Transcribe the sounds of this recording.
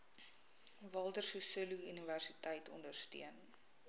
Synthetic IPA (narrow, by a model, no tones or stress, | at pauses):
vɑːlˠtərsusəluyniværsitəjtʰɔ̰ndərsty̰ən